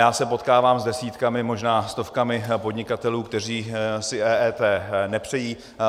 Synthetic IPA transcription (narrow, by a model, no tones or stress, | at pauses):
jaːsɛpo̞t̪kaːvaːmzdɛsiːt̪kamɪmoʒnaːst̪o̞fkamɪpo̞dɲɪkat̪ɛluːkt̪ɛr̝iːsɪʔɛːɛːt̪ɛːnɛpr̝̥ɛjiː